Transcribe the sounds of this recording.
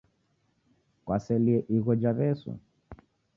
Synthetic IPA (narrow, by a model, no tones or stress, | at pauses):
kwasɛliɛʔiɣɔd͡ʒaβɛsɔ̰